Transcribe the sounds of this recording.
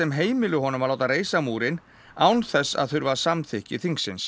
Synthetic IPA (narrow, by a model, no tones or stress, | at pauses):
ɛmɦeːjmɪlʏɦɔnʏmaðlawt̪areːjsamuːɾɪn | awnθɛsːa̰ðθʏɾvasamθɪhcɪθiŋksːɪns